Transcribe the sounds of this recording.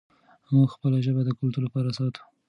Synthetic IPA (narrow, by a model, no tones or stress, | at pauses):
muɡxpəlaʒəbad̪əkʊlt̪uɾlapɑɾasɑt̪ʰu̥